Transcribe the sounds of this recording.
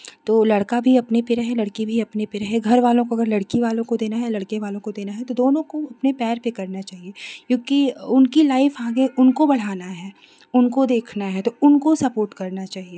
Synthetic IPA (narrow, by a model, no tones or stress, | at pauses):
t̪oːlɐɽkabʱiɐpnepeɾɐɦelɐɽkibʱiɐpnepeɾɐɦeɡʱɐɾʋaːlõkoɐɡəɾlɐɽkiʋaːlõkod̪eːnaɦɛlɐɽkeʋaːlõkod̪eːnaɦɛt̪od̪oːnõkoɐpnepɛːɾpekɐɾnat͡ʃaːɦiekjõːkiʊnkilaːɪfãːɡeʔʊnkobɐɽ̤aːnaɦɛː | ʊnkod̪eːkʰnaɦɛt̪oʊnkosɐpoːɾʈkɐɾnat͡ʃaːɦie